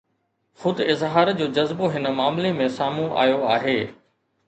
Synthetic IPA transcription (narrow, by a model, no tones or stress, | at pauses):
xʊd̪ɪzɦaːɾd͡ʑoːd͡ʑɐzboɦɪnəmaːmlemẽsaːmũʔa̰ːjoaːɦeː